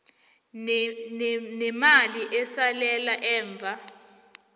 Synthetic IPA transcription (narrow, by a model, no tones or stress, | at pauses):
nɛmaliʔɛsalɛlaʔɛːɱb̪vʱa